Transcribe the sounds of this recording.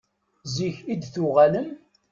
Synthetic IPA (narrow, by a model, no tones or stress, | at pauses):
ziçid̪θʊʁæləm